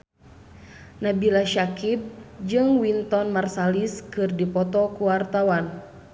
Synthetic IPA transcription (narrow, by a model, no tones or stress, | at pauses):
nabilaʃakib̚d͡ʒɨŋwint̪ɔnmarsaliskɨrdipɔt̪ɔkuwart̪awan